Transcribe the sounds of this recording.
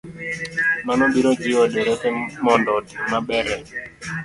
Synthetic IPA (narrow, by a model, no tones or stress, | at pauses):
manɔbiɾɔd͡ʒɪwɔdeɾɛtɛmɔndɔtimabɛɾɛ